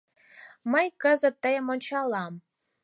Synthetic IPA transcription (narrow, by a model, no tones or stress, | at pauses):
məjkə̆zə̆t̪ːɑjəmonʲt͡ɕɑlˠɑm